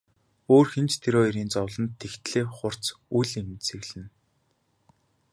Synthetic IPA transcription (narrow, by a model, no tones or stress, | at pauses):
oːrxent͡ɕt̪ʰeɾoːeɾiːnt͡sɔwɮɞ̆nt̪ʰːext̪ɮeːχʊr̥t͡suɮem̆sɘ̆ɣɮɘ̆n